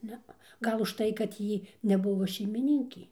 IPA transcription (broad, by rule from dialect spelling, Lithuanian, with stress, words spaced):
ˈnʲɛɐ ˈɡɐlˠ ʊʃˈtɐɪ kɐt ˈjiː nʲɛˈbʊʋoː ʃʲɛɪmʲɪˈnʲɪŋʲkʲeː